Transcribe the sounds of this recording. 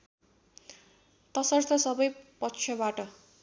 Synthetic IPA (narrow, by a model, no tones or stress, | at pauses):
t̪ʌsʌrt̪ʰʌsʌbʌjpʌtt͡sʰjʌbaʈʌ